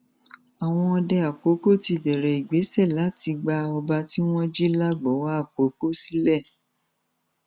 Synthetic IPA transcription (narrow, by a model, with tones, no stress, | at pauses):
a˨w̃ɔ̃˧ɔ˧dɛ˧a˨k͡po˨˦ko˦ti˧˨bɛ˨ɾɛ˨i˨ɡ͡be˨˦sɛ˦˨la˨˦ti˧ɡ͡ba˧ɔ˧ba˧ti˦w̃ɔ̃˦d͡ʒi˦la˦ɡ͡bɔ˨˦wa˦a˦˨k͡po˨˦ko˦si˦lɛ˦˨